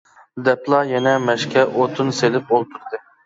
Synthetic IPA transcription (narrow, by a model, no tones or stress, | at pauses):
d̪ɛplˠɑjɛnɛmɛʃkʲʰɛʔot̪ʰɨnselɪp̚bolˠt̪ʰuɾd̪ɨ